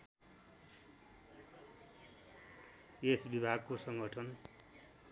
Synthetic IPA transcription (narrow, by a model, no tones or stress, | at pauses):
esbibʱaɡkosʌŋɡʱʌʈʰʌn